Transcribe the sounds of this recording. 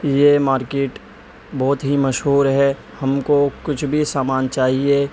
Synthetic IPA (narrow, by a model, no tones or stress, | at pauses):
jemaːɾkeːʈ | bɔːt̪ɦimɐʃɦuːɾɦɛ | hɐmkokʊt͡ʃʰbʱisaːmaːnt͡ʃaːɦie